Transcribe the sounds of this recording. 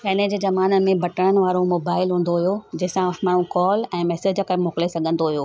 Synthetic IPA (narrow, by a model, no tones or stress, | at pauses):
ɐɦɪnəd͡ʑeːzɐmaːnəmẽbʱɐʈəɽ̃ənɪ̆ʋaːɾomoːbaːɪlɦũːn̆d̪oɦuijod͡ʑɐɦɪ̃sãmaːɳ̤ũkɔːlɛ̃ːmɛːsed͡ʑkəmoːkɪlesɐɡʱə̃nd̪oɦijoː